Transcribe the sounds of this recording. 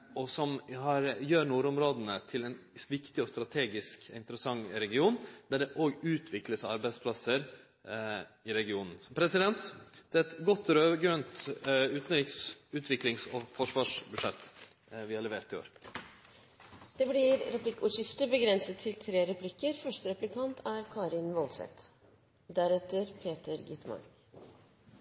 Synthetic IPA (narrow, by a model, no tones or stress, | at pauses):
ɔsɔmɦɑɾjøːɾnuːɾʊmɾoːd̪ənət̪ʰɪlɛnʋɪkt̪ɪɔst̪ɾɑt̪ʰeːɡɪskɪnt̪əɾəsɑŋːɾɛɡɪuːnd̪æɖɛʔoɡʉːt̪ʰʋɪkləsɑɾbæɪspʰlɑsəɾ | ɪɾɛɡɪuːnən̩smpʰɾɛsɪd̪ɛnt̪d̪̥ɛːɛt̪ɡɔt̪ːɾøːʋəɡɾœnt̪ʉːt̪n̩ɾɪksʉːt̪ʰʋɪklɪŋsɔfɔʂʋɑːʂbʉʂɛt̪ː | ʋɪhɑlɛʋeːɾt̪ɪo̰ːɾ | d̪̥ɛːblɪɾɾɛplɪkːəuːʂɪft̪əbəɡɾɛnsət̪ʰːɪlt̪ʰɾeːɾɛpʰlɪkːəɾfœʂʈəɾɛplɪkʰɑnt̪ʰæɾkʰɑːɾɪnʋɔlsɛ̰t̪ | d̪æɾɛt̪ːəɾpʰeːt̪əɾɡɪt̪mɑ̰n